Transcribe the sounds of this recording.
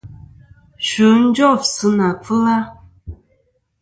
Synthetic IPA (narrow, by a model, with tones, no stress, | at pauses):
ʃu˨˦n̩˦d͡ʒɔ˦˨fsɨ˦na˨fə˦la˦